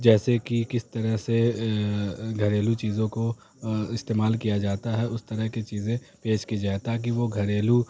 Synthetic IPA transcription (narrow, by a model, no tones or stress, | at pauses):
d͡ʒɛːsekikɪst̪ɐɾəɦse | ɡʱɐɾeːlut͡ʃiːzõko | ɪst̪eːmaːlkijad͡ʒaːt̪aɦɛʔʊst̪ɐɾəɦkit͡ʃiːzẽ | peːʃkid͡ʒaːet̪aːk̬iʋoɡʱɐɾeːlu